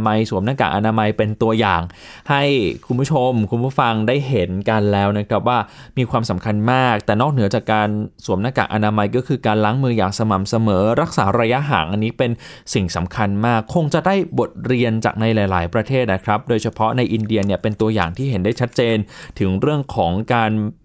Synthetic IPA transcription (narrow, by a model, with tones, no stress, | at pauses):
ma˧jsu˨˩˦mnaː˧ka̰ː˨˩ʔa˧naː˧ma˧jpe˧nt̪u˧ɐjaː˨˩ŋ | ha˥˩jkʰu˧nbu˥˩t͡ɕʰo˧mkʰu˧npʰuː˥˩fa˧ŋdaː˥˩jɦe˩˦nka˧nlɛː˦˥wna˦˥kʰɾa˦˥p̚waː˥˩ | miː˧kʰwaː˧msa˩˦mkʰa˧nmaː˥˩k̚t̪ɛː˨˩nɔː˥˩k̚nɯ˩˦ɐt͡ɕaː˨˩kːaː˧nsu˨˩˦mnaː˧˩ka̰˨˩ʔa˧naː˧ma˧jkɔː˥˩kʰɯː˧kaː˧nlaː˦˥ŋmɯː˧jaː˨˩ŋsa˧ma˨˩msa˧mɤː˩˦ɾa˦˥k̚saː˩˦ɾaː˧ja˦˥ɦa̰ː˩˦ŋʔa˧nːiː˦˥pe˧nsi˨˩ŋsa˩˦mkʰa˧nmaː˥˩kʰːo˧ŋt͡ɕa˨˩ʔda˥˩jbo˨˩t̪̚ɾi˧ənt͡ɕa̰ː˨˩k̚na˧jlaː˩˦jla̰ː˩˦jpɾa˧t̪ʰeː˥˩t̪̚na˦˥kʰɾa˦˥p̚doː˧jsʰa˧pʰɔ˦˥na˧jʔi˧ndi˧ɐni˥˩ɐpe˧nt̪u˧ɐja̰ː˨˩ŋt̪ʰiː˥˩ɦe˩˦ndaː˥˩jt͡ɕʰa˦˥t̪̚t͡ɕeː˧nt̪ʰɯ˨˩˦ŋɾɯ˥˩əŋkʰɔː˩˦ŋkaː˧n